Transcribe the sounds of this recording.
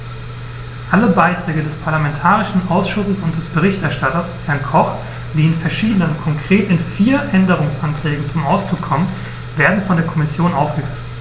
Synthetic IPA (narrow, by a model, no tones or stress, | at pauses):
ʔaləbaɪtʁ̥ɛːɡədɛspʰaɐlamɛntʰaːʁ̞ɪʃn̩ʔaʊsʃʊsəsʊnt̚d̥ɛsb̥əʁ̞ɪçtɛɐʃtatɐshɛɐnkʰɔχ | d̥iːɪnfɛɐʃiːdənənkʰɔŋkʁ̥eːtɪnfiːɐʔɛndəʁ̞ʊŋsantʁ̥ɛːɡŋ̩t͡sʊmaʊsd̥ʁʊkʰːɔmən | veːɐdn̩fɔndeːɐkʰɔmɪsjoːnʔaʊfɡ̥əfyː